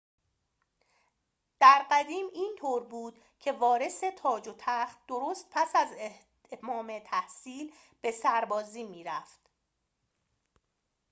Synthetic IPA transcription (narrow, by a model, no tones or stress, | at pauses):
d̪̥æɾɢæd̪iːmiːnt̪ʰoːɾbuːd̪̥ | cʰe̞vɒːɾe̞se̞t̪ʰɒːd͡ʒot̪ʰæχt̪̚d̪oɾoːst̪̚pʰæsæz | mɒːmet̪ʰæhsiːl | b̥e̞sæɾbɒːziːmiːɾæft̪